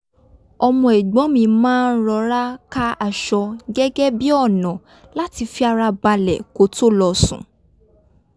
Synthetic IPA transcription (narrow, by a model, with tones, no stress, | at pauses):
ɔ˧mɔ̃˧e˨ɡ͡bɔ̃˨˦mĩ˧mãː˦˧n̩˦ɾɔ˧ɾa˦ka˦a˨ʃɔ˧ɡɛ˦ɡɛ˦bi˦ɔ˦˨nã˨ | la˦ti˧fi˦a˧ɾa˧ba˧lɛ̰˨ko˨˦to˦lɔ˧sṵ̃˨